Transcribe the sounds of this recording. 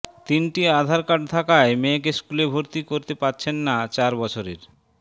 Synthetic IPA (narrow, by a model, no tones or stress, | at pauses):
t̪inʈiad̪ʱaɾkaʈ̚t̪ʰakaemek̬eskulebʱoɾt̪ikoɾt̪epaɾːɕʰenːat͡ɕaɾbɔt͡ɕʰoɾḛɾ